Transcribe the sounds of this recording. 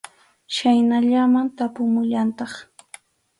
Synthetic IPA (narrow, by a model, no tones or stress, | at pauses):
ʃajnaʎamant̪apʊmʊʎant̪ɑχ